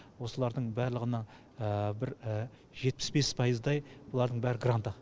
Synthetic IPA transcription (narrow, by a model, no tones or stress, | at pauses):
wo̞səlˠɑɾd̪əɴbæɾlˠəʁənɑ | əbɪɾ | ʒe̞t̪̚pɪ̥sbe̞spʰɑjəzd̪ɑjbʊlˠɑɾd̪əɴbæɾɪɡrant̪ə